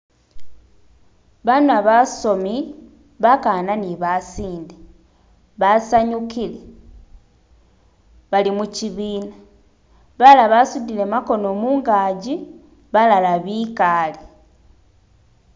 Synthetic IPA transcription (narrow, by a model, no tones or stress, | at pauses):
βanuaβaso̞mi | βakaːnaniβasiːnde | βasaɲukile | βalimuciβiːna | βalaβasudile̞mako̞no̞ːmuːŋɡaːɟi | βalalaβikaːli